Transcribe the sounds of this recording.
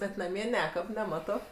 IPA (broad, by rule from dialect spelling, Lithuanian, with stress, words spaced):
bʲɛt nɐˈmʲiɛ ˈnʲæːkɐp nʲɛˈmɑːtoː